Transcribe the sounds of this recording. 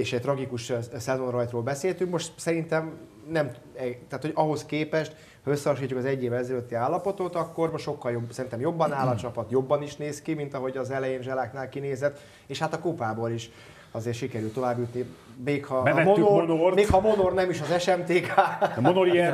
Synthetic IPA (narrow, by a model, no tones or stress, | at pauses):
eːʃɛɟc̚t̪rɒɡikuʃsɛzo̞nrɒjt̪roːlbɛseːlt̪yŋkmo̞ʃt̪sɛɾint̪ɛm | nɛm | ɛt̪aːt̪ho̞ɟɒɦo̞skeːpɛʃt̪ | hɒøsːɛɒʃ̬iːt͡ʃːukɒzɛɟːeːvɛɛzɛløt̪ːiaːlːɒpo̞t̪ot̪ɒkːo̞rmoʃo̞kːɒljobsɛɾint̪ɛmjo̞bːɒnaːlɒt͡ʃɒpɒt̪jo̞bːɒniʃneːskimint̪ɒɦo̞ɟɒzɛlɛjeːnʒɛlaːknaːlkineːzɛt̪ː | eːʃhat̪ɒkopaːboɾiʃ | ɒzeːrtʃikɛɾylt̪ːovaːbːjut̪ni | meːkhɒbɛvɛtmonomonormeːkhɒmo̞nornɛmiʃɒzɛʃɛmt̪eːkaːmonoɾiɛ